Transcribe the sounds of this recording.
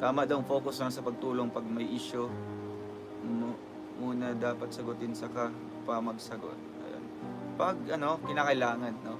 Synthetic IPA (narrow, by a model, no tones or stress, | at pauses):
t̪aːmɐʔd̪ɐwŋfo̞ːkʊsnɐŋsɐpɐɡ̚t̪uːlo̞ŋpɐɡ̚mɐjʔɪʃo | muːnɐd̪aːpɐt̪sɐɡʊt̪ɪnsɐka | pɐmɐɡsɐɡo̰t̪̚ɐ̰jo̰n | pɐɡ̚ʔɐno̞kɪnaːkɐʔɪlaːŋɐnːo